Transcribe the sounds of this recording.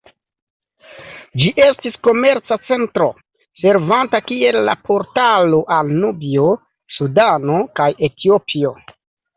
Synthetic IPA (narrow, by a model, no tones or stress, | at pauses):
d͡ʒiʔe̞stisko̞me̞ɾt͡sat͡se̞ntɾo̞̰ | se̞ɾvantakie̞lːa̰pʰo̞ɾtalo̞ʔalnubio̞ | sudano̞kaje̞tʰiopʰio̞